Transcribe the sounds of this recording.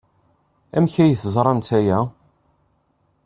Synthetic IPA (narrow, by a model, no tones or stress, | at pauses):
æmçæjəθəzˤɾˤɑmt̪æjæ